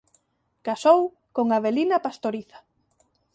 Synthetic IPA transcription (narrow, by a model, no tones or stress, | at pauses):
kasow | koŋaβelinɐpast̪oɾiθḁ